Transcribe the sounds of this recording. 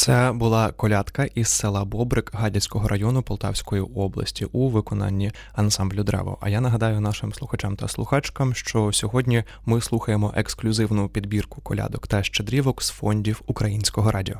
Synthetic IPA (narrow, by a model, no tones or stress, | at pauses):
t̪sɛbʊlˠɑkɔlʲat̪kɐʔissɛlˠɐbɔbɾɪkɦɑdʲisʲkɔɦɔɾʔɐjɔnʊpɔlˠt̪ɑ̰wsʲkɔjiɔblˠɐ̰sʲtʲiʔuʋɪkɔnɑ̰nʲːi | ɐnsɑmblʲʊd̪ɾɛ̰ʋɔ̰ʔɐ̰janɐɦɐd̪ɑjʊnɑʃɪmslˠʊxɐt͡ʃamt̪ɐslˠʊxɑt͡ʃkɐmʃt͡ʃɔsʲɔɦɔdʲnʲi | mɪslˠuxɐjemɔʔeksklʲʊzɪwnʊpʲid̪bʲirkʊ̥kɔlʲa̰d̪ɔkt̪ɐʃt͡ʃed̪ɾʲiʋɔksfɔnʲdʲiwukɾɐjinʲsʲkɔɦɔɾʔɑdʲiɔ